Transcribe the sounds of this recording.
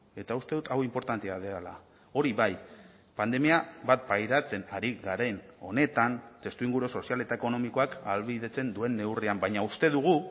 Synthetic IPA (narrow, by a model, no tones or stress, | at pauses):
e̞t̪aust̪e̞ðut̪awimpo̞ɾt̪ant̪eað̞eala | o̞ɾiβaj | pand̪e̞miabat̪̚pajɾat͡se̞naɾiɣaɾe̞no̞ne̞t̪ant̪e̞st̪uiŋɡuɾoso̞siale̞t̪aeko̞no̞miko̞akalβiðe̞t͡se̞nd̪ue̞nːe̞wriambajɲaust̪e̞ðuɣ̞u